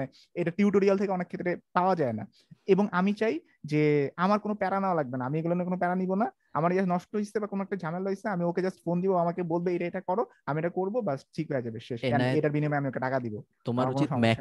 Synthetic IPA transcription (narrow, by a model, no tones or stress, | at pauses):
e | eʈaʈiuʈoɾialt̪ʰekeɔnekʰːet̪ːɾepaoad͡ʑaena̰ | eboŋamit͡ɕaj | d͡ʑeamaɾkonopɛɾanaolaɡ̚benaamieɡuloniekonopɛɾanibona | a̰maɾed͡ʑanɔʃʈoɦisebakonoɛkʈad͡ʑʱameloeseamioked͡ʑasʈfond̪ibobaamakebolbeeʈaeʈakɔɾo | amieʈakoɾbobasʈʰikɦoed͡ʑabeʃeʃkaneʈaɾbinimaeamiokeɖakad̪ibo | t̪omaɾkooʃɔɛ